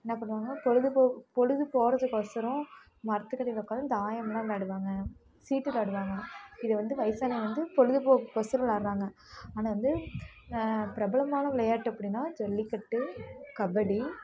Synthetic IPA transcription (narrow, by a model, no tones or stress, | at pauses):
ɛnːaːp̬ɐɳːɯʋaːŋɡɐpɔɻɯðɯpoːpɔɻɯðɯpoːɾɐðɯkɔsɐɾʊ̃ | mɐɾɐt̪ːɯkːɐɽɪlɔkːaːðɯ̃d̪aːjɐmlãːlaːɽɯʋaːŋɡɐ | siːʈːɯlaːɽɯʋaːŋɡɐɪðɐʋɐnd̪ɯʋɐɪsaːnɐʋɐnd̪ɯpɔɻɯðɯpoːkɔsɐɾɐlaːɾɯɾaːŋɡɐ | aːnaːʋɐnd̪ɯ | pɪɾɐbɐlɐmaːnɐʋɪlɐjaːʈːɯɐpːɐɽɪnːãːd͡ʒɔlːikːɐʈːɯkɐbɐɽi